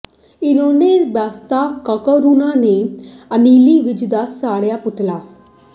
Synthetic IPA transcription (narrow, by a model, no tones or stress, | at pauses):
ɪnõːneːbaːst̪aːkəkoɾunãːnẽːəniːliːʋɪt͡ʃd̪aːsaːɽjaːpʊt̪laː